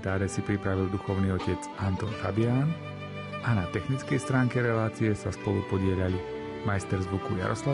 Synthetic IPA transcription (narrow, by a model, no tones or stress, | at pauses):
t̪aːɾɛsipɾipɾaʋild̪uxɔʊniːɔcɛt͡s | ant̪ɔːnfabɪaːn | ʔanat̪ɛxnit͡skɛjst̪ɾaːŋkɛɾɛlaːt͡siɛsaspɔlṵpɔɟɪɛʎalu | majst̪ɛɾzʋukuja̰ɾɔsla